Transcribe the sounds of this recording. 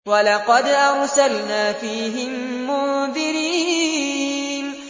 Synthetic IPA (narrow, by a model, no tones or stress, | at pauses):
walɑqɑd̪ʔɑɾsalnaːfiːɦɪmːʊnðɪɾiː | n